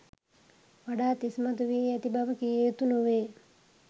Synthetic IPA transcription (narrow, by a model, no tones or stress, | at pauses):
ʋaɖaːt̪ismat̪uʋiːɛt̪ibaʋəkijeːt̪unuʋeː